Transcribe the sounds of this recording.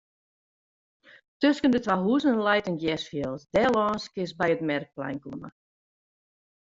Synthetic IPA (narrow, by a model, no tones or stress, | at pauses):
tøskəndətwaɦuəzəlɛjtənɡjɛsfjəlˠsdɛːlˠɔːnskɪsbɛjətmɛrk̚plɛ̰jnkunə̰